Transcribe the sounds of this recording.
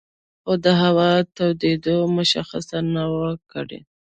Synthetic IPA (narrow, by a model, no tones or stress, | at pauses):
xod̪əɦawɑt̪awd̪ed̪omʊʃa̰xa̰sanawakə̰ɽḛ